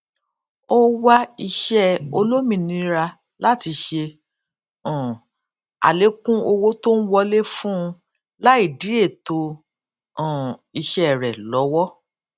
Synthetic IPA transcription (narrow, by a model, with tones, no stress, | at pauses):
o˦wa˦i˧ʃɛ˦o˧lo˦mĩ˧˨nĩ˧ɾa˧ | la˦ti˧ʃe˧ | ɔ̃˨ | a̰˨le˨˦kũ˦o˧wo˦to˦n̩˦wɔ˧le˦fũ˦˧ | la˦i˦˨di˨˦e˦˨to˧ | ɔ̃˨i˧ʃɛ˦˨ɾɛ˨lɔ˨˦wɔ˦